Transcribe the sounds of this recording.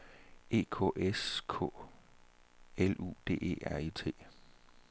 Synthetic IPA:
e̝ːkʰɔ̝̰ʔeskʰɔ̰̽ | elṵːd̥e̝̰ːe̝̰ːʔæɐit͡sʰe̝̰ː

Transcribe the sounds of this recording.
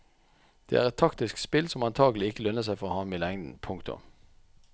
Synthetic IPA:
d̪̥ḛæ̰ːʁɛt̪ʰɑkt̪ɪskt̪spɪlsɔmɑnt̪ʰɑːɡəlɪɪkːəlœnəs̬æɪfɔʁoːhɑːmɪlɛŋd̪n̩pʰʊŋkt̪ʊ̰

